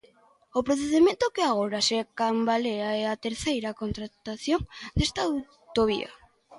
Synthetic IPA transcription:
opɾoθe̞ðime̞nt̪okeaɣ̞o̞ɾasekambaleaeat̪eɾθejɾako̞nt̪ɾat̪aθjo̞nd̪e̞st̪aw | t̪o̞β̞ḭa̰

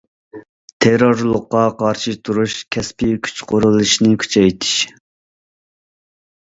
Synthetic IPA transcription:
t̪ʰeɾoɾlˠʊqːɑqʰɑɾʃɨt̪ʰuɾuʃkʲʰɛspikʲʰy̥t͡ʃqʰoɾulˠɨʃnɪkʲʰy̥t͡ʃʰɛjt̪ʰɪ̥ʃ

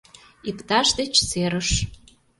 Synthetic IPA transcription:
ikt̪ɑʃd̪et͡ɕseɾəʃ

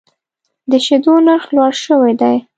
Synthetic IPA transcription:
d̪əʃed̪onaɾxlwɑɾʃəwad̪aj

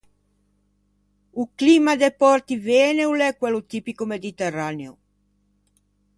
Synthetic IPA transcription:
ukliːmad̪epɔɾt̪iveːneulɛkːwɛlot̪ipikomed̪it̪ɛraneo

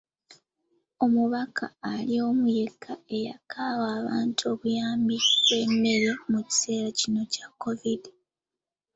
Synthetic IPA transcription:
o̞muβakʰa̰ːlio̞ːmuje̞kʰːae̞ja̰kʰaːwaːβaːntʰuo̞βujaːmbie̞mːe̞ɾe̞muci̥se̞ːɾacino̞cakːo̞vidi

